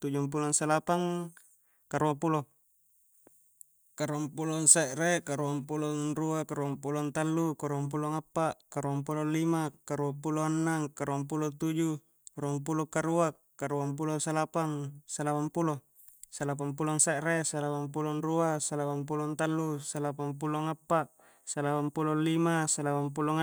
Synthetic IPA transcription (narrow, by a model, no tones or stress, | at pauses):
t̪ud͡ʒump̬ulɔŋsalapaŋ | kaɾuapulo | kaɾuampuloŋsaʔrekaɾuampuloŋruakaɾuampulɔnt̪alːukaɾuamp̬uloŋapːaʔkaɾuaŋp̬ulonlimakaɾuapuloanːaŋkaɾuampulot̪ud͡ʒu | kaɾuampulokaɾua | kaɾuampulosalapaŋsalawampulo | salap̬aŋpuloŋsaʔɾesalawampulɔnruasalapaŋp̬ulɔnt̪alːusalapaŋpuloŋapːaʔ | salapampulolimasalawamp̬uloŋa